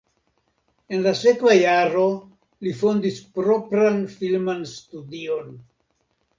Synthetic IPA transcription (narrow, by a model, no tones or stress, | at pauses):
e̞nlase̞kvajaɾo̞ | lifo̞ndispɾo̞pɾanfilmanstudio̞n